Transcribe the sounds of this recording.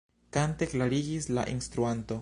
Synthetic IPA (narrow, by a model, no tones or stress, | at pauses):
kante̞klaɾiɡisla̰ʔinst̪ɾuanto̞